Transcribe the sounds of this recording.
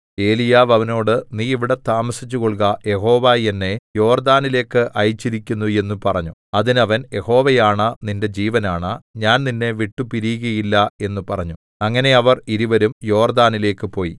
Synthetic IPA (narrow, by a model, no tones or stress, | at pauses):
e̞ːlijaːʋɐʋɐno̞ːɽɨniːiʋiɽe̞t̪aːmɐsit͡ɕːukoɭk̬ɐje̞ɦo̞ːʋaːjenːe̞jo̞ːrd̪aːnile̞ːkːɨʔɐjit͡ɕːiɾikʲːunːue̞nːupɐrɐɲːuɐðinɐʋɐnje̞ho̞ːʋɐjaːɳɐninde̞d͡ʑiːʋɐnaːɳɐɲaːnninːe̞ʋiʈːupiɾijuɣɐjilːɐe̞nːupɐrɐɲːu | ɐŋːɐne̞ɐʋɐriɾuʋɐɾumjo̞ːrd̪aːnile̞ːkːɨpo̞ːji